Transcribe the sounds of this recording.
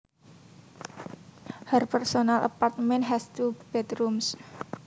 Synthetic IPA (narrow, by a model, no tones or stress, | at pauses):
hɛrpɛrsonalʔə̰part̪mɛnɦɛst̪ub̥ɛt̪ɾums